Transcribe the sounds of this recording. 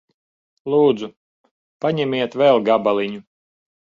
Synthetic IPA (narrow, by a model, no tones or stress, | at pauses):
lˠuːd̪zu | paɲɛmʲiɛt̪vɛlˠɡabaliɲu